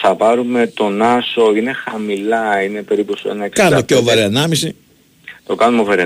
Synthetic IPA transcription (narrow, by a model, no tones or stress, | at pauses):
θɐpɐɾume̞t̪o̞nɐso̞ine̞xɐmilɐine̞pe̞ɾip̪osoenɐekskɐɐnumeceovɐɾeɐnɐmisi | t̪o̞kɐnumeovɐɾi